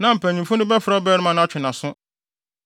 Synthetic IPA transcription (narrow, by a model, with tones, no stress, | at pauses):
nã˨m̩˨pʰæ̃˨ɲĩ˨fʊ˦nʊ̃˦bɛ˦fɾa˦ɔ˦bɛː˦ɾɪ˦mã˦ñ˦a˦t͡ɕᶣʰɪ˨nã˨sʊ̃˦